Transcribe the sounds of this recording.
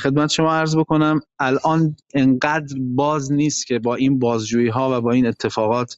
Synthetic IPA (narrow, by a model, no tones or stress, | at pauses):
xe̞d̪̚mæt̪ʰeʃo̞mɒːæɾzbo̞kʰo̞næmælʔɒːneŋɢæd̪ɾbɒːzniːst̪cʰe̞bɒːʔiːnbɒːzd͡ʒuːjiːɦɒːvæbɒːiːne̞t̪ʰːe̞fɒːɣɒːt̪ʰ